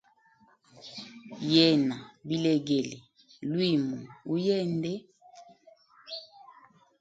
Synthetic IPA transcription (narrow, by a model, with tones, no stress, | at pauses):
jɛ˦˨na˨bi˦le˨ɡe˨le˨ | lwi˦˨mu˨u˦jɛ˦˨ndɛ˦